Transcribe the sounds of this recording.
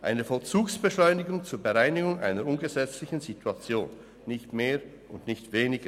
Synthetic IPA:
ʔa̰ɪnəfɔlt͡suːksb̥əʃlɔʏnɪɡʊŋt͡suːɐbəʁaɪnɪɡʊŋʔa̰ɪnɐɾʊnɡəzɛt͡slɪçn̩zitʰuat͡sjo̰ːnː | ɪçtmeː | ʔʊndnɪçtv̥eːnɪɡə

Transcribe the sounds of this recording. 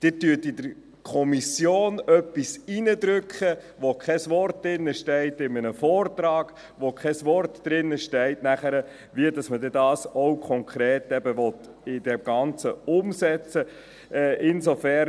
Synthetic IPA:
d̥ɪtyːtidəɾ | kʰɔmisjoːnœpːisinəd̪ɾʏkχə | ʋokʰɛsʋɔrtd̥̪ɪnːəʃtɛɪtɪmənəfɔːrtɾɑːɡ̥ | ʋokʰχɛsʋɔrtd̥ɾɪnːəʃtɛɪtnæχəɾə | ʋiədɑsmədɛdɑːsɔwkʰɔŋkʰɾeːtɛbəʋɔt | ɪd̥ɛmɡ̥ɑnt͡səʊmsɛt͡sə | ɛːʔɪnsɔfæ

